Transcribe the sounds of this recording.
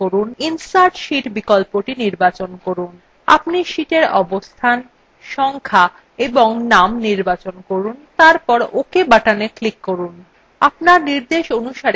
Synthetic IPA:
oɾuninsaʈʃiʈbikɔlpoʈiniɾbat͡ɕonkoɾun | a̰pniʃiʈeɾɔbost̪ʰan | ʃɔŋkʰa | eboŋnamniɾbat͡ɕonkoɾunt̪aɾpɔɾokebaʈaneklikːoɾun | apnaɾniɾd̪eʃonuʃaɾ

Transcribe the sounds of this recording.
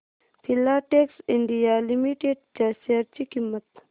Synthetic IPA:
pʰilaʈeksiɳɖijalimiʈeɖ̚t͡ʃasaɾt͡ʃikimːɐt̪

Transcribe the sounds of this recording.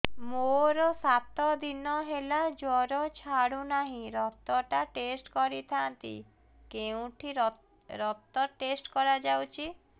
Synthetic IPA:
moɾɔsat̪ɔd̪inɔɦelad͡ʒɔɾɔt͡ʃʰaɽunaɦĩɾɔt̪ɔʈaʈesʈkɔɾit̪ʰant̪ḭ | keũʈʰi | ɾɔt̪ɔʈesʈkɔɾad͡ʒawt͡ʃʰi

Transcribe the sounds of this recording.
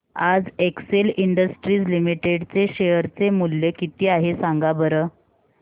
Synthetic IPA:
ad͡zekseliɳɖəsʈɾiːd͡zlimiʈeɽt͡seɕejəɾt͡semulːekit̪iːaɦesãŋɡabəɾə

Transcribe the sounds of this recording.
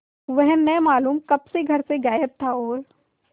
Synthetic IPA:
ʋɛɦnɛmaːluːmkɐbseɡʱɐɾseɡaːjəb̚t̪ʰaoːɾ

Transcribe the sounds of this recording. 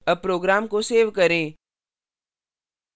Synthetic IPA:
əpɾoːɡɾaːmkoseːʋkɐɾẽː

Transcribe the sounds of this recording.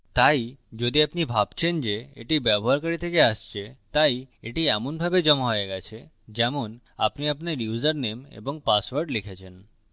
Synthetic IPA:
t̪aid͡ʒod̪iapnibʱapt͡ʃʰend͡ʒeḛʈibjabʱoɦaɾkəɾit̪ʰekeaʃt͡ʃʰet̪aieʈiamunbʱabed͡ʒəmɦojeɡat͡ʃʰe | d͡ʒamun | a̰pniapneɾjuzəɾnemḛbɔŋ̚pasʋəɾɖlikʰet͡ʃʰen

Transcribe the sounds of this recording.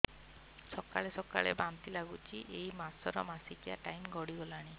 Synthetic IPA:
sɔkaɭesɔka̰ɭebant̪ilaɡut͡ʃʰiʔejmasɔɾɔmasikijaʈajmɡɔɽiɡɔlaɽ̃i

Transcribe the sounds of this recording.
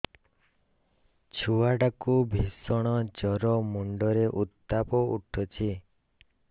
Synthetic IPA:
t͡ʃʰuwaɖakubʱisɔɽ̃ɔd͡ʒɔɾɔmɔɳɖɔɾeʔut̪ːapɔuʈʰɔt͡ʃʰi

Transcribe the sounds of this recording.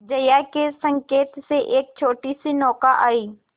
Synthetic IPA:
d͡ʒɐjakesə̃ŋkeːt̪seʔeːk̚t͡ʃʰoːʈisinɔːkaʔaːiː

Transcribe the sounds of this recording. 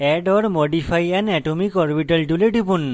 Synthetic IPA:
ɛɖɔɾmɔɖipʰajɛnɛʈomikɔɾbiʈəlʈ̪uleʈipun

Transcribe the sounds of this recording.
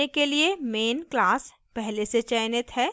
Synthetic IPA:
ekeliemeːnklaːs | pɛɦleset͡ʃaːɪnət̪ɦɛː

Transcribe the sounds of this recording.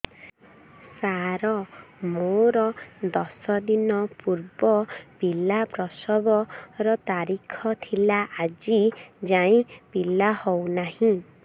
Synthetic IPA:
saɾɔmoɾɔd̪ɔsɔd̪inɔpuɾbɔpilapɾɔsɔbɔɾɔt̪aɾikʰɔt̪ʰilaʔad͡ʒid͡ʒaĩpilahownahĩ

